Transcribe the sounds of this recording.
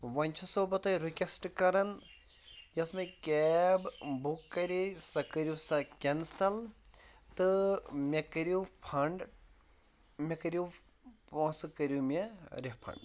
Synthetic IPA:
ʋɐnʲt͡ʃʰusoːbɐt̪ɐɾukʲesʈkɐɾɐn | jɐsmɐkebbukːɐɾisɐkɐɾʲjusɐkʲensɐlt̪ɨmʲekɐɾupʰɐɳɖ | mʲɐkɐɾu | põsɨkɐɾʲumʲeɾihpʰɐ̰ɳɖ

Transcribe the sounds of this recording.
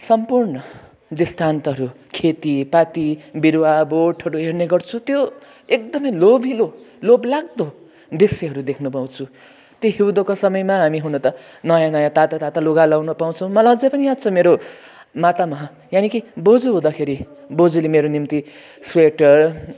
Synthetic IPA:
sʌmpurnʌ | d̪ist̪ʰant̪ʌɦʌɾu | kʰet̪ipat̪ibiɾwaboʈʰɦʌɾuɦerneɡʌrt͡sʰũt̪jo | ek̚d̪ʌmʌjlobʱiloloblaɡ̚d̪o | d̪iseɦʌɾud̪ekʰnupaw̃t͡sʰu | t̪joɦiwd̪okosʌmʌjmaɦamiɦunʌt̪ʌ | nʌjãnʌjãt̪at̪at̪at̪aloɡalawnʌpaw̃t͡sʰʌw̃mʌlʌd͡zʌpʌnijad̪̚t͡sʰʌmeɾo | mat̪amʌɦ | janikibod͡zuɦũd̪akʰeɾi | bod͡zulemeɾonimt̪i | sweʈʌr

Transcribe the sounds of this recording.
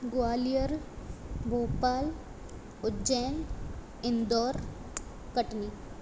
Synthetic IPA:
ɡʊaːlijəɾ | ɡoːpaːl | ʊd͡ʒɛːn | ɪnd̪ɔːɾ | kəʈniː

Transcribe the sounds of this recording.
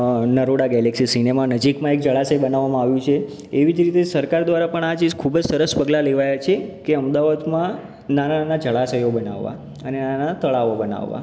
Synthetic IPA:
nəɾoɽaɡɛleksisinemanəd͡ʒikmãek̚d͡ʒəɭasəjbənaʋːamãaʋjũt͡ʃʰeː | ʋid͡ʒɾit̪esəɾkaɾd̪ʋaɾapəɳad͡ʒid͡ʒkʰubd͡ʒsəɾəspəɡlaleʋajat͡ʃʰekeəmd̪aʋad̪mã | nanaanad͡ʒəɭasəjobəna̰ʋːa̰ | ənenaanat̪əɭaʋobəna̰ʋːã̰

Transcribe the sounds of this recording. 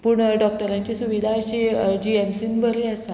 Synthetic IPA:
puːɳɖɔk̚ʈəɾãɲt͡ɕesuʋid̪ʱaːɕed͡ʑiemsiːnbəɾeasa

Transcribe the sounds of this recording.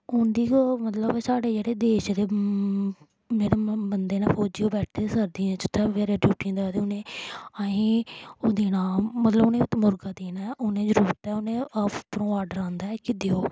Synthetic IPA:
ʊnd̪iːomət̪ləbsaːɽeːd͡ʒeːɽeːd̪eːʃd̪eː | d͡ʒeːɽeːbənd̪eːnãːpʰoːd͡ʒiːoːbɛːʈʰd̪esəɾd̪ĩãt͡ʃʊt̪ʰːeːʋeːɾẽːʈjuːʈiãːd̪eaːt̪eːʊnẽːəĩːoːd̪eːnaːmət̪ləbʊnẽːt̪ːmʊɾɡaːd̪eːnaːɛʔʊnẽːd͡ʒəɾuːɾət̪ɛːʊnẽːəpɾõːaːɖəɾãːnd̪aɛkɪd̪eoː

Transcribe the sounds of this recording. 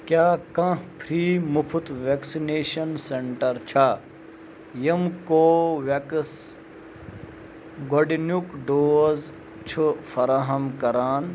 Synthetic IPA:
kjaːkɐ̃pʰɾiːmupʰut̪ʋeːksineːʃɐnseɳʈɐɾt͡ʃʰa | jɐmkoːʋeks | ɡɐɖinjukɖoːz | t͡ʃʰufɐɾaɦɐmkɐɾaːn

